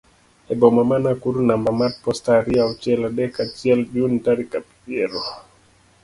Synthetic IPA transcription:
ɛbɔmamanakuɾunambamat̚pɔstaɾiaɔt͡ʃɛladɛkat͡ʃɛlbuntaɾikapi̥pjɛɾɔ

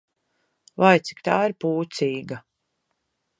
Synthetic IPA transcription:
vajt̪si̥kt̪aːiɾpuːt̪siːɡa

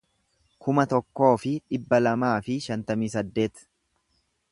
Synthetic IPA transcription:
kʊmɐt̪ɔkːo̞ːfɪᶑɪbːɐlɐmaːfɪʃɐnt̪ɐmiːsɐd̪ːe̞ːt̪

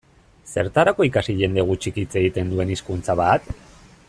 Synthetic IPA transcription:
se̞ɾt̪aɾako̞ikasiʝe̞nd̪e̞ɣ̞ut͡ʃikit͡se̞ɣit̪e̞nd̪ue̞niskunt͡saβ̞at̪

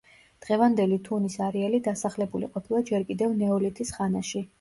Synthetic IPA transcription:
d̪̥ʁɛvand̪ɛlit̪ʰunisaɾɛalid̪asaχlɛbulḭqʼɔpʰilˠad͡ʒɛɾkʼid̪ɛvnɛɔlit̪ʰisχanaʃi

